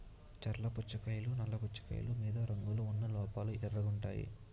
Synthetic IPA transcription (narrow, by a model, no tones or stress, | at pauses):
t͡ʃɐɾlɐput͡ʃːɐkɐjlunɐlːɐput͡ʃːɐ̥kɐ̰jɐ̰lumiːd̪ɐɾɐŋɡuluunːɐlɔːpaːluɛɾːɐɡuɳʈaːjḭ